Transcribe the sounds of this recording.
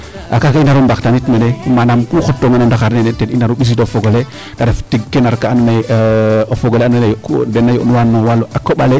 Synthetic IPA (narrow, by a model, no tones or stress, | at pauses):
ʔa̰kakainaɾumbaktanitmenemanamkuxotːoŋanandaxaɾneneteninaɾuɓis̬itofoɡole | daɾeftiɡ̚kːenaɾkaanma | ofoɡoleanejkdenːajo̰nuwanːowalːoʔakːoɓale